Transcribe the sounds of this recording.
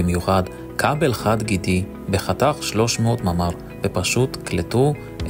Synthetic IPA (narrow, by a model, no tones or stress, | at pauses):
imjuχad | kʰabelχadɡidi | beχataχʃlo̞ʃmeotmamaʁ | b̥epaʃutkletu